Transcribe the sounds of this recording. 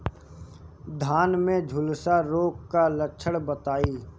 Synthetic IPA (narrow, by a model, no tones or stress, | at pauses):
d̪ʱaːnmẽd͡ʒʱʊlsaɾoːkkalət͡ʃʰəɽbət̪aːiː